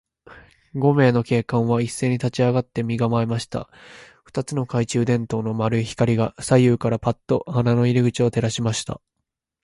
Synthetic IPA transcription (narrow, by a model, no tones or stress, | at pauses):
ɡo̞me̞ːno̞ke̞ːkãɰ̃βaisːe̞ːɲ̟it̪at͡ɕiaɡat̪ːe̞mʲiɡamaemaɕi̥t̪a̰ | ɸɯ̥t̪at͡sɨno̞kait͡ɕɨːd̪ẽ̞nt̪o̞ːno̞maɾɯ̟içi̥kaɾʲiɡasaijɯ̟ːkaɾapat̪ːo̞hanano̞iɾʲiɡɯ̟t͡ɕio̞t̪e̞ɾaɕimaɕi̥t̪a̰